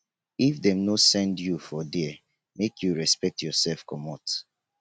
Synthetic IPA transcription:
ifdɛ̃mnosɛ̃ndjufɔdi | mekʰjuɹɛspɛk̚tjɔsɛlfkɔmɔt

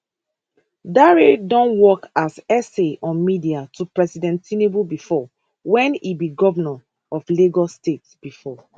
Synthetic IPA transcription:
daɹedɔ̃nwɔkasɛseʔɔ̃nmidiatʰupɹɛsidɛ̃ntĩnebubifɔ | wɛ̃nibiɡɔvɛna | ɔfleɡɔstetsb̥ifɔ

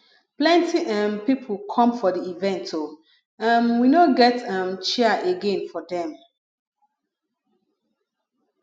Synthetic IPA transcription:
plɛ̃ntiʔãmpipʰlkʰɔ̃mfɔdiivɛ̃ntʰo | ãnwinoɡɛtãmt͡ʃɛəʔeɡẽnfɔdɛ̃m

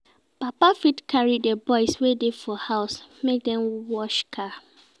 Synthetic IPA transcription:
papafitkʰaɹidebɔɪswedefɔhaʊsmek̚dɛ̃mwɔʃkʰa

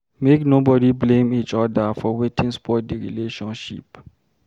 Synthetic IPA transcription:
meknobɔdiblẽmit͡ʃɔdafɔwetĩnspɔt̚deɹḭleʃɔ̃nʃḭp

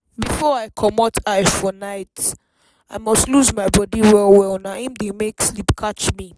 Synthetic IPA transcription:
bifɔaɪkʰɔmɔtʰaɪfɔnaɪt | aɪmɔstluzmaɪbɔdiwɛlwɛlnaĩmdemekslipkʰat͡ʃmi

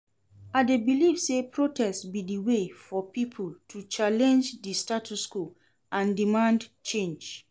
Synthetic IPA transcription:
adebilivsepɹotʰɛstbidiwefɔpipʰultʰut͡ʃalɛ̃nd͡ʒdistatʰusku | ãndimãndt͡ʃẽnd͡ʒ

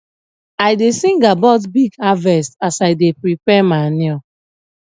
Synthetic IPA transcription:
ajdesĩŋɡabɔt̬biɡavɛstasajdepɹipɛmaniɔ

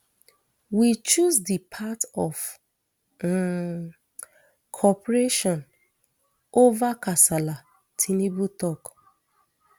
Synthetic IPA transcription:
wit͡ʃuzdipʰatɔv | kʰɔpɾeʃɔ̃n | ovakasala | tʰinibutɔk

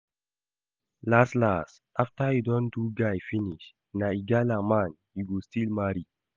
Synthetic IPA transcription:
laslas | aftajidɔntuɡajfiniʃ | naiɡalaman | iɡustilmaɾi

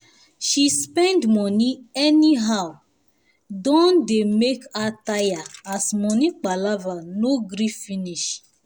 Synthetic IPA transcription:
ʃispɛ̃ndmɔniɛniɦaʊ | dɔ̃ndemekatajaasmɔnik͡palavanoɡɾifiniʃ

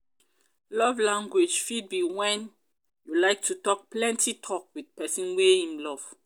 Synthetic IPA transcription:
lɔvlãŋɡwed͡ʒfid̚biwɛ̃n | julaɪk̚tʰutɔk̚plɛ̃ntʰitʰɔk̚widpɛsĩnweĩmlɔv̥

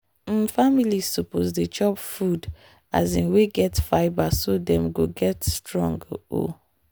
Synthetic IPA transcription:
m̩familisupozdet͡ʃɔpfud | a̰zĩnweɡɛtfaɪbasodɛ̃mɡoɡɛtstɹɔ̰̃ŋɡo̰

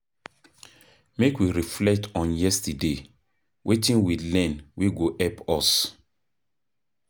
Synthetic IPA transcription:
mekwiɹiflɛk̚tɔ̃njɛstide | wʔetĩnwilɛ̃nwiɡoʔɛpɔs

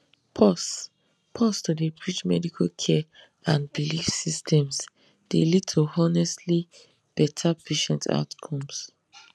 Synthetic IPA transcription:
pʰɔs | pʰɔstudepɹit͡ʃmɛ̰dikʰalkʰɛ | ãnbilifsistʰɛ̃ms | d̥elid̚tʰuɔnɛstli | b̥ɛtʰapʰeʃɛ̃ntʰa̰ʊtkʰɔ̃ms

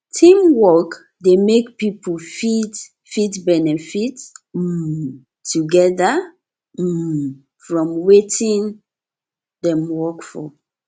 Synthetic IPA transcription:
tʰĩmwɔk | demekpipʰufid | fitbɛnɛfit̩ | tʰːuɡɛða | fɹɔ̃mwetʰĩn | dɛ̃mwɔkfɔ

